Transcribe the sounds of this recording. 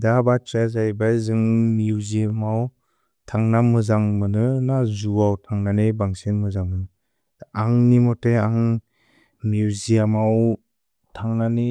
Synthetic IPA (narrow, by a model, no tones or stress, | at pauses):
dabatɾazajbajzɯŋmiziamaw | tʰaŋnamɯzaŋmɯnɯnazuawtʰaŋnanebaŋsenmɯzaŋmɯnɯ | aŋnimɔteaŋ | miuzijamaw | tʰaŋnani